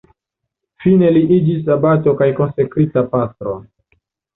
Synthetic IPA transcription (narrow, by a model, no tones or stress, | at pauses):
fine̞liʔid͡ʒis̬abato̞kajko̞nsekɾitapast̪ɾo̞̰